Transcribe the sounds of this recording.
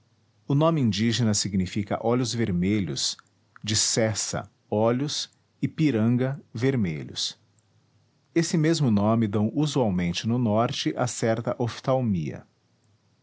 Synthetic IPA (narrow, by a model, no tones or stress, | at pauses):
ʊnõmɪĩnd͡ʒiʒenɐsiɡnifikɐ̰ʔɔʎʊzveɾmeʎʊ̰s | d͡ʒɪsɛsɐ̰ | ɔʎʊs | ɪpiɾɐ̃ŋɡɐveɾmḛʎʊ̰s | esɪmezmʊnõmɪd̪ɐ̃w̃uzuawmẽnt͡ʃɪnʊnɔɾt͡ʃɪʔasɛɾt̪ɐʔoft̪awmiɐ̰